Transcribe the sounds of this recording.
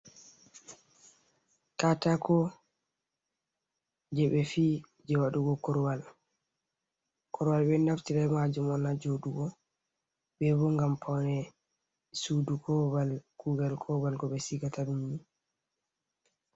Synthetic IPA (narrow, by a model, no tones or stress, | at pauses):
katakɔ | d͡ʒɛɓɛfi | d͡ʒɛwaɗuɡɔkɔɾwal | kɔɾwalbɛnaftiɾamad͡ʒumɔnad͡ʒoɗuɡɔ | bɛbɔŋɡampʰawnɛ | sudukʰɔbalkuɡalkʰɔbalkɔɓɛsiɡatabimini